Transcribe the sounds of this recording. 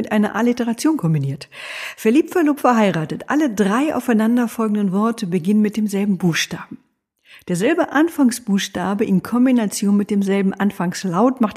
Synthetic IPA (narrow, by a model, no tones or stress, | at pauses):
ɪtʔaɪnɐʔaːlitəʁat͡sjoːnkʰɔmbiniːɐtfɛɐliːp̚tfɛɐloːpfɛɐɦaɪʁaːtətʔa̰lədʁaɪʔa̰ʊfaɪnandɐfɔlɡŋ̩dənvɔɐtʰəbəɡɪnənmɪt̚d̥eːmzɛlbm̩buːxʃtaːbm̩ | d̥eːɐzɛlbəʔanfaŋsb̥uːxʃtaːbəʔɪnkʰɔmbinat͡sjoːnmɪt̚d̥eːmzɛlbm̩ʔanfaŋslaʊtmaχt